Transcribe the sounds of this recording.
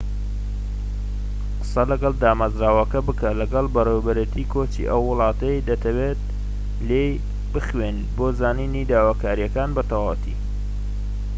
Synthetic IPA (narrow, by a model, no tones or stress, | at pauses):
qɨ̥sɐlɐɡɐlˠd̪aːmɐzɾaːwɐkɐbɨkɐlɐɡɐlbɐrewbɐɾet̪ʰiːkʰoːt͡ʃḭʔɐwːʊlˠɑːt̪ɐjd̪ɐt̪ʰɐweːt̪̚ | lej | bɨxwen | boːzaːniːnid̪aːwaːkaːɾijɐkaːnbɐt̪ʰawawt̪ʰḭː